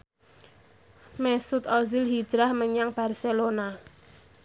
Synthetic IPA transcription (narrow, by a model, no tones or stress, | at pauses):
mɛsut̪ɔzilɦi̥d͡ʒ̥ɾahməɲaŋb̥arselona